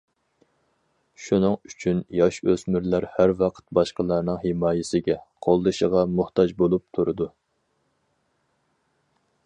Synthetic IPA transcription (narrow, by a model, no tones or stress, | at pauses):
ʃunɨŋyt͡ʃʰynjɑʃøzmyɾlæɾhæɾwɑqʰə̥t̪̚bɑʃqəlˠɑːnɨŋhemɑːjɪsɪɡʲɛqʰolˠd̪ɨʃəʁɑmʊht̪ʰɑd͡ʒbolˠup̚t̪ʰuɾɨd̪u